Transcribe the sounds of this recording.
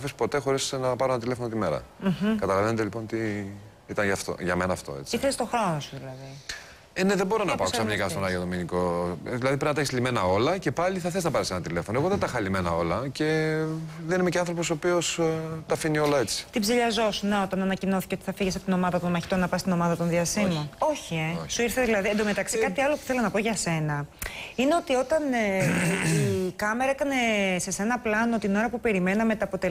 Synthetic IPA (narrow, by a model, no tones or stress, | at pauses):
ɐfispo̞t̪e̞xo̞ɾisenɐpɐɾoenɐt̪ile̞fonot̪ime̞ɾɐ̰m̩çkɐt̪ɐlɐvenet̪elipo̞nt̪i | it̪ɐnʝɐft̪o̰ʝɐme̞nɐːft̪o̞̰et͡siiθest̪o̞xaosuðilɐði | ene̞ðembo̞ɾo̞nɐpɐoksɐɲikɐst̪onɐjoðominiko̞ðilɐðipɾnɐt̪eçeszlime̞nɐo̞lɐce̞pɐliθɐθeznɐpɐɾesenɐt̪ile̞fo̞noeɣoðet̪ɐxɐlime̞nɐo̞lɐce̞ | ðenimeceɐnθɾopo̞soːpio̞st̪ɐfinio̞lɐet͡si̥t̪ibziʎɐzo̞sunɐot̪ɐnɐnɐcino̞θi̥ceot̪i̥θɐfiʝesɐpo̥t̪ino̞mɐðɐt̪onmɐçi̥t̪o̞nɐpɐst̪ino̞mɐðɐt̪o̞nðiɐsimono̞çie̞suiɾθeðilɐðiend̪omet̪ɐksikɐt̪iɐlo̞pu̥θe̞lonɐpo̞ʝɐse̞nɐineo̞t̪io̞t̪ɐn | ikɐmeɾɐekɐne̞se̞se̞nɐplɐno̞t̪ino̞ɾɐpupe̞ɾime̞nɐme̞t̪ɐpo̞t̪e